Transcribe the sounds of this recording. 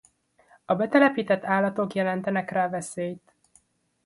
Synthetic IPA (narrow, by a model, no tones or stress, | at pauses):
ɒbɛt̪ɛlɛpiːt̪ɛt̪ːaːlːɒt̪o̞kjɛlɛnt̪ɛnɛkraːvɛseːjt̪